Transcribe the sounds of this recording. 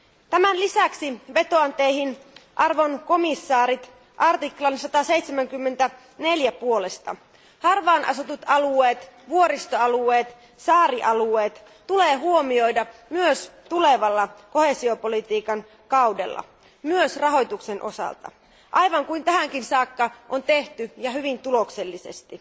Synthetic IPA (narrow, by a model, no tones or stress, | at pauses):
t̪æmænlisæksiʋe̞t̪o̞ɑnt̪ejɦinʔɑrʋo̞nko̞misːɑːɾit̪ | ʔɑrt̪iklɑnsɑt̪ɑse̞jt̪semæŋkymːe̞nt̪æ | ne̞ljæpuo̞lest̪ɑ̰ | hɑrʋɑːnʔɑ̰sut̪ut̪ɑlueːt̪ʋuoɾist̪oɑlue̞ːt̪ | sɑːɾiʔɑlue̞ːt̪ | t̪uleːhuomio̞jdɑmyøst̪ule̞ʋɑlːɑko̞hesio̞polit̪iːkɑn | kɑwdḛlːɑ̰ | myøsrɑɦo̞jt̪uksenʔo̞̰sɑ̰lt̪ɑ̰ | ʔɑjʋɑŋkuint̪æhæŋkinsɑːkːɑʔont̪e̞ht̪yjɑɦyʋint̪ulo̞kse̞lːise̞̰st̪i